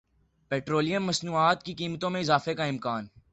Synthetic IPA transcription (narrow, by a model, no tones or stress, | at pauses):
peːʈɾoːlijə̃mːɐsnuːaːt̪kikiːmət̪õmẽɪzaːfekaɪmkaːn